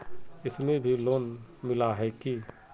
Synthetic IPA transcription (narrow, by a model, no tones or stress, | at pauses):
ɪsmẽbʱiloːnmɪlaɦɛki